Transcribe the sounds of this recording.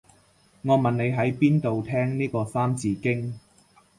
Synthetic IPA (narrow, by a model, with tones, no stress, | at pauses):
ŋɔː˨˧mɐ˨nne˨˧jɦɐ˨˥jpiː˥nt̪o˨wt̪ʰɛː˥ŋniː˥kɔː˧saː˥mt͡siː˧kɪ˥ŋ